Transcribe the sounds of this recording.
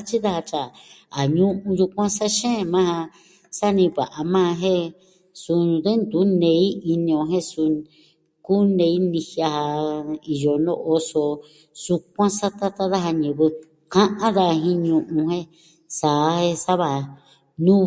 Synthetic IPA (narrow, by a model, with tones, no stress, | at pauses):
a˦t͡ʃi˦ða˦ha˧t͡ʃa˨a˨ɲũ˦ʔũ˧ju˧kʷã˦sa˦ʃẽ˦˧mã˦ha˧ | sa˦nĩ˧βa̰˨ʔa˧mã˦˧ɦẽ˦ | su˧ðe˦nd̪u˨˦nẽ˧˦i˦i˧nĩ˧õ˧ɦẽ˦su˧ | ku˦nẽ˧i˦nĩ˧hja˧ha˧i˨jo˧nõ̰˦ʔo˧so˧ | su˧k̚ʷã˦sa˦t̪a˦t̪a˦ða˦ɦa˧ɲɨ̃˧˨βɨ˧ | kã˦ʔã˦ða˧ɦĩ˦ɲũ˧ʔũ˧ɦẽ˦ | sa˨˦he˦sa˦βa˧˨ | nũ˦